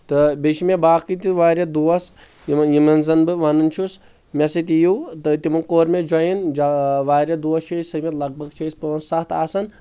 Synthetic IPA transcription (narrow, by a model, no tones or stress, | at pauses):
t̪ɨbeʃimebaːkit̪iʋaːɾʲɐd̪uʋɐs | jimɐnzɐnbɨʋɐnɨnt͡ʃʰus | mʲɐsɐt̪̬ijut̪ɨt̪imɨkoːɾmed͡ʒɐjind͡ʒʋaːɾʲɐd̪uɐst͡ʃʰɐisɐmʲɐt̪lɐɡ̚bɐɡt͡ʃʰɐjispəɐnsɐt̪ʰaːsɐn